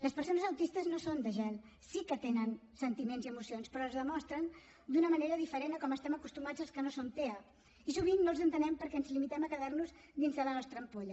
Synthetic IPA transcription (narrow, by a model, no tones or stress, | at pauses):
ləspəɾsonəzəwt̪ist̪əznosond̪əʒɛl | sikət̪enənsənt̪imenziəmusionspɾɔəzðəmɔst̪ɾən | d̪unəməneɾəðifəɾenəkɔməst̪ɛməkust̪umad͡zəlˠskənosont̪eə | isuβinnolˠzənt̪ənɛmpəɾkɛənzlimit̪ɛməkəðaɾnuz | ðinzðələnɔst̪ɾəmpoʎə